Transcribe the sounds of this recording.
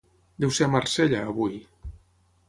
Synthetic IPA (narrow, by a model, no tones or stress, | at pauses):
d̪ɛwseamarseʎaːβuj